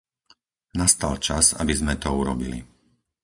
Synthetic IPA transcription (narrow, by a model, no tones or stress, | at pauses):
nast̪alt͡ʃaza̰bizmɛt̪ɔuɾɔ̰bḭlḭ